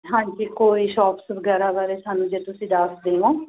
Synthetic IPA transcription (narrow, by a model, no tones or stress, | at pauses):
ɦãːɲd͡ʒikoːiːʃɔːpsbəɡɛːɾaːbaːɾeːsaːnũːd͡ʒeːt̪ʊsĩːd̪aːsd̪eːʋãː